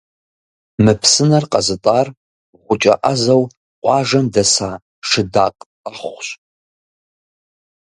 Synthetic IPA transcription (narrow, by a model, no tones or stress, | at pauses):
mɨpʰsɨnɐrqʼɐzɨtʼar | ʁʷʊt͡ʃʼɐ̰ʔazɐw | qʷʼɑʐɐmdɐsaː | ʂɨda̰ːqʼ | aχʊχʷɕ